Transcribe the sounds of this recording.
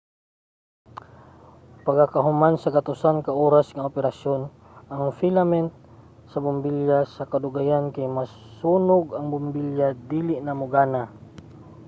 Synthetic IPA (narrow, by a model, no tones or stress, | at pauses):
paɡakaɦʊmansɐɡat̪ʊsankaʔoːɾasŋɐopɛɾasjon | ʔaŋfilamɛnt̪̚ | sɐbʊmbiljasɐkɐd̪ʊɡajankajmas | suːnʊɡɐŋbʊmbiljad̪iːlɪʔnamʊɡaːna